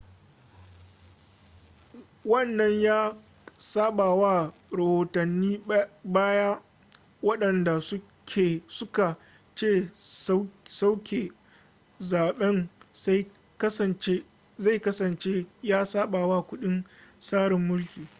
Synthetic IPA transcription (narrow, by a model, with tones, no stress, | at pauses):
wɐ˦nːɐ˦ɲjaː˦ | saː˦ɓaː˨wa˦˨ɽɐ˨hoː˨tɐ˨nːiː˦baː˦jaː˦ | wɐ˦ɗɐ˨nda˨s | kʲʰe˨sʊ˦ka˨ | t͡ʃeː˦˨ | sa˦wkʲʰe˨ | zaː˨ɓɛ˦ns | kst͡ʃe˦ | za˦˨kɐ˦sɐ˨nt͡ʃeː˦jaː˦saː˦ɓaː˨wa˦kʷʊ˦ɗɪ˦nsaː˦ɽɪ˨mːʊ˦lkʲiː˨